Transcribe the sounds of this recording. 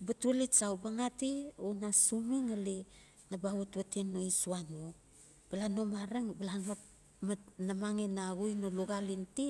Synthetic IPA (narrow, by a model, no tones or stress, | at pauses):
batualesawbaŋationasumiŋale | nabawatβatenːoisuano | b̥alanomaɾaŋbalana | manamaŋenaɡujnoluɡalinti